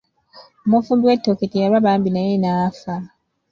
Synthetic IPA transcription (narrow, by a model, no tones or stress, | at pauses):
mofudwetːoketijaɾaβaːmbinajenafa